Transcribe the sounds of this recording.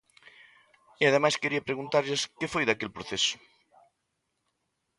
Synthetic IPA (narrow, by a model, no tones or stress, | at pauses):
iaðemajskeɾiɐpɾeɣunt̪aɾʎeskefojðakelpɾoθesʊ̥